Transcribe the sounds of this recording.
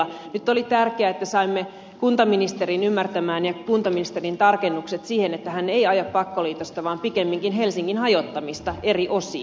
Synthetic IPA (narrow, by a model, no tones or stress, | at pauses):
ɑnyt̪ːolit̪ærkeæet̪ːæsɑimːe | kunt̪ɑminist̪eɾinymːært̪æmæːnjɑkunt̪ɑminist̪erint̪ɑrkenːukset̪siːhenet̪ːæɦænːeiɑjɑppɑkːoliːt̪ost̪ɑʋɑːmpikemːiŋkinɦelsiŋkinhɑjot̪ːɑmist̪ɑe̞riʔo̞sḭː